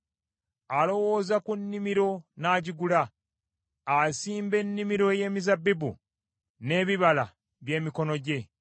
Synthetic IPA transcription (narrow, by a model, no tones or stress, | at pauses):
alo̞wozakunːimiɾo̞naːɟiɡuɾaː | siːmbe̞nːimiɾo̞je̞ːmizabːibu | ne̞ːβiβala | βje̞ːmiko̞no̞ɟe̞